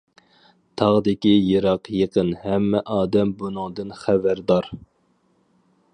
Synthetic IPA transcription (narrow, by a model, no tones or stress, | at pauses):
t̪ʰɑʁd̪ɪkʲijeɾɑqjeqənhɛmːɛʔɑːd̪ɛmbunɨŋd̪ɨnχæbæɾd̪ɑɾ